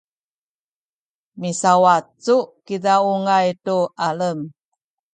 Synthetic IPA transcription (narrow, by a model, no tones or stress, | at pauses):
misawatt͡sukidauŋajtuʔaləm